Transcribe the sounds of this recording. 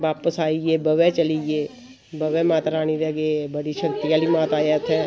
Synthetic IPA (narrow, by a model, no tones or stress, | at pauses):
ʋaːpəsaːiebɐʋet͡ʃɐlid͡ʒeː | bɐʋẽmaːt̪ɾaːñiɾɛɡebəɽiʃɐkt̪ijaːlimaːt̪aːjat̪ʰɛ̃ː